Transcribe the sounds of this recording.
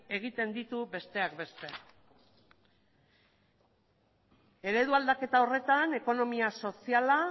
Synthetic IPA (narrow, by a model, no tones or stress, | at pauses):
e̞ɣ̞it̪e̞nd̪it̪ube̞st̪e̞akbe̞st̪e̞ | e̞ɾe̞ðuald̪ake̞t̪ao̞re̞t̪ane̞ko̞no̞miaso̞siala